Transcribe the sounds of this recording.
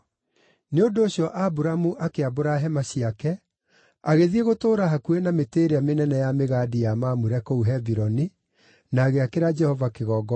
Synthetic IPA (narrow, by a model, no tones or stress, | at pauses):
neondoːɕjɔʔabuɾamuʔakeaboɾaɦɛmaɕiakɛ | aɣeðieɣotoːɾaɦakuenameteːɾeamenɛnɛjameɣadijamamuɾɛkouɦɛviɾɔni | naːɣeakeɾad͡ʒɛhɔvakeɣɔːɡɔ